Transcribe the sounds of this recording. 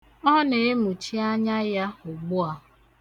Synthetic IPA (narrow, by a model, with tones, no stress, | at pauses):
ɔ˦ne˨e˦mu˨t͡ʃi˦a˦ɲa˦ja˦ʊ˨ɡ͡bʊ˦a˦